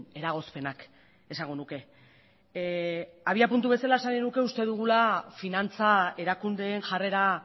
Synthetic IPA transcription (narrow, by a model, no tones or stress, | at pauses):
e̞ɾaɣ̞o̞spe̞nak | esaŋɡo̞nuke̞ | aβiapunt̪uβe̞salae̞sanenuke̞ust̪e̞ðuɣ̞ulafinant͡sae̞ɾakund̪e̞ːnʝare̞ɾa